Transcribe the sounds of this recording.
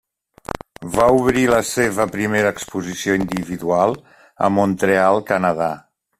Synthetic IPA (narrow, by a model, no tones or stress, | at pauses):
βauβɾiləseβəpɾimeɾəːkspuzisioind̪iβiðualˠ | ə̰munt̪ɾealˠkənəða